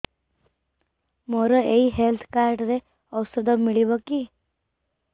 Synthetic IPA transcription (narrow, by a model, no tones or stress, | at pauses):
mɔɾɔeiɦelt̪ʰkaɾɖɾe | ɔwsɔd̪ɔmiɭibɔki